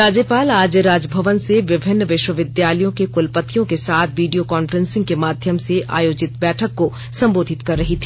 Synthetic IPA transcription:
aːd͡ʒəpaːlaːd͡ʒjəɾaːd͡ʒəbʱɐʋənseʋɪbʱɪnːʋɪʃwəʋɪd̪jaːləjõkekʊlpət̪ːijõkesaːt̪ʰʋiːɖijokaːnfəɾə̃nsɪ̃ŋɡ̚kemaːd̪ʱjəmseʔa̰ːjoːd͡ʒɪt̪bɛːʈʰəkːo | sɐ̃mboːd̪ʱɪt̪kɐɾːɐɦit̪ʰi̥

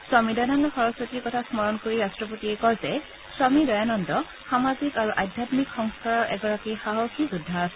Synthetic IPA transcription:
sɔmidɔjnɔndɔxɔɹɔsotikɔtʰasmɔɹɔnkoɹiɹastɹɔpotiɛkɔɹzɛ | sɔmidɔjanɔndɔ | xamazikaɹuʔajdʱjatmikxɔŋskaɹɔɹʔɛɡɔɹakixaɦɔxʰizudʱːaːsɛ

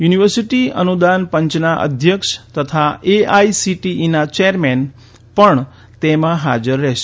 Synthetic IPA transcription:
juniʋəɾsiʈiə̰nud̪anpəɲt͡ʃnaʔə̰d̪ʱjəkʃt̪ət̪ʰaʔeaisiʈiʔinat͡ʃeəɾmen | pəɳ | t̪emãɦad͡ʒəɾːɛʃ

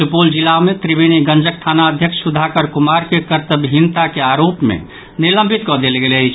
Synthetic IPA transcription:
supuld͡ʒilamet̪ɾibiniɡə̃nd͡ʒək̚ʰt̪ʰanaəd̪ʱjəksud̪ʱakəɾkumaɾkekəɾt̪əbɦint̪akeaɾopmḛ | nilə̃mbʱit̪kɔd̪elɡelət͡ʃʰ

